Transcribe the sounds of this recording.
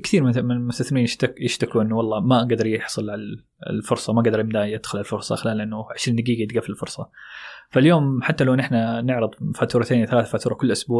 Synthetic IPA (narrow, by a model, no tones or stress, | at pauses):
kɪθiːɾmɪmɪnmʊst̪aθnmiːnjt̪jɪʃt̪akuʔɪnːʊwɑlˤːɑːmaɡad̪ɑɾˤjɪħsˤɨlʕala̰ | lfʊɾsˤɑmaɡad̪ɑɾˤjɪmd̪ajɪd̪̥xʊlʕalfʊɾˤsˤɑ̰xɪlaːlʔɪnːʊʕɪʃɾiːnd̪ɪɡiːɡajd̪ɡaflɪlfʊɾˤsˤɑfaljoːmħat̪ːalawnʔɪħnanɪʕɾɨðˤfaːt̪uːɾˤɑt̪ʰeːniθalaːθafaːt̪uːɾˤɑkʊlːʔʊsbuːʕ